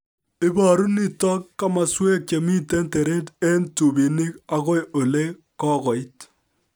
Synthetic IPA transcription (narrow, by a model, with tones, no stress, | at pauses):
ɪ˦ba˨ɾu˦ni˦˨tɔ˦kːa˦ma˨swɛ˦k̚t͡ʃe˨mi˦te˦nte˨ɾe˦te˦ntu˨bi˨ni˦ka˨˦kɔ˦jʔo˨le˦kɔ˦kɔ˨i˦t